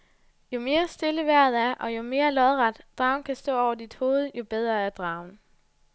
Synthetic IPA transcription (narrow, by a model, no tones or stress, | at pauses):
jo̝me̝ːɐsd̥e̝ləʋæɐ̰ð̩ˠæɐʔɒ̽jo̝me̝ːɐlɒ̽ðˠʁɑd̥d̥ʁɑ̈ʊnkʰæsd̥ɔ̰̽ːɒʊ̰ɐd̥id̥ho̝ːð̞̩ˠjo̝b̥eð̞ˠʁɐæɐd̥ʁɑ̈ʊn